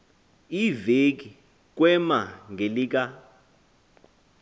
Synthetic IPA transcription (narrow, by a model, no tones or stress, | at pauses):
ivek̬ʼi | k̬ʼwɛmaŋɡʱeliːk̬ʼa